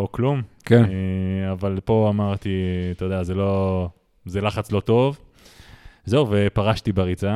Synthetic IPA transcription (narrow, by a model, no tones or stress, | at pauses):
oklumkenavalpo̞amaʁt̪it̪od̪eazelo̞ | zelaχat͡slo̞t̪o̞v | zeuvepaʁaʃt̪ibaʁit͡sa